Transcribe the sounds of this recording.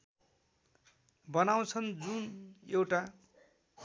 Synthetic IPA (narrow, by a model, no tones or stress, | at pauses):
bʌnaw̃t͡sʰʌnd͡zunewʈa